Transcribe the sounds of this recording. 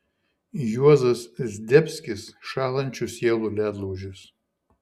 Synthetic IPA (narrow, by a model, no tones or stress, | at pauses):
juɔzɐszʲd̪ʲɛpʲsʲkʲɪsʃɑːlˠɐnʲt͡ʃʲusʲiɛlˠulʲæːd̪lˠɔʊʒʲʊs